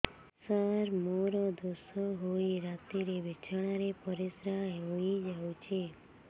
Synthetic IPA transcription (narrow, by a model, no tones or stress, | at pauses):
saɾmoɾɔd̪osɔɦojɾat̪iɾebet͡ʃʰaɽ̃aɾepɔɾisɾaɦɦojd͡ʒawt͡ʃʰe